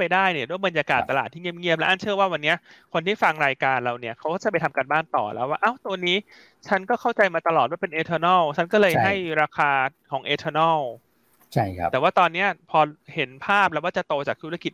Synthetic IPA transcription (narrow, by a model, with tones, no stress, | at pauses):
pa˧jdaː˥˩jni˥˩du˥˩jmɤ˧njaː˧ka̰ː˨˩t̪ːa˧laː˨˩t̪ʰːiː˥˩ŋi˥˩˨p̚ŋi˥˩əp̚lɛ˦˥ʔa˥˩t͡ɕʰɯ˥˩waː˥˩wa˧nːi˦˥ɐkʰo˧nt̪ʰiː˥˩fa˧ŋɾaː˧jkaː˧nɾa˧wni˥˩ɐkʰa˦˥wkɔː˥˩t͡ɕa˩pa˧jt̪ʰmka˧nbaː˥˩ŋt̪ɔ̰ː˨˩lɛ̰˦˥waː˥˩ʔa˦˥˩wt̪u˧niː˦˥ | t͡ɕʰa˦˥nkɔː˥˩kʰa˥˩wt͡ɕa˧jmaː˧t̪a˧lɔː˨t̪̚waː˥˩pe˧nʔeː˧t̪ʰɤː˧nɔː˥˩wt͡ɕʰa˦˥nkɔː˥˩lɤː˧ja˥˩jɾaː˧kʰaː˧kʰɔː˩˦ŋʔeː˧t̪ʰɤː˧nɔː˥˩w | t͡ɕʰt̪ɛː˨˩waː˥˩t̪ɔː˧nːi˦˥ɐpʰɔː˧he˩˦npʰaː˥˩p̚lɛː˦˥wkaː˥˩t͡ɕa˨˩t̪oː˧t͡ɕaː˨˩k̚t̪ʰu˦˥ɾa˧ki˨˩